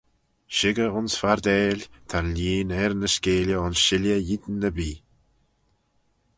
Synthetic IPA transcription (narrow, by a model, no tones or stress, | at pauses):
ʃɪɡəʊnsfaɾd̪ɛːlʲt̪ʰanlʲiːnɛɾnəskeːljəʊnsʃɪljəjid̪nːəbiː